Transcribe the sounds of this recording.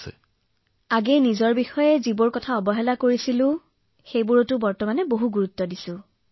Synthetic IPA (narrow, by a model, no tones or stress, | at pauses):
ɛ̰ | aɡejnizɔɹbixɔjɛzibʊɹkɔtʰaɔbɔɦɛlakoɹisilʊ̃ | xejbʊɹɔtʊbɔɹtɔmanɛboɦuɡuɹutːɔdisʊ̃